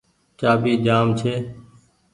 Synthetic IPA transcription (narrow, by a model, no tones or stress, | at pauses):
t͡ʃaːbʱiːd͡ʒaːmt͡ʃʰeː